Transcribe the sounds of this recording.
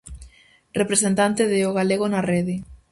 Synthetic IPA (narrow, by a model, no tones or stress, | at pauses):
repɾesent̪ant̪eðeoɣaleɣonareðɪ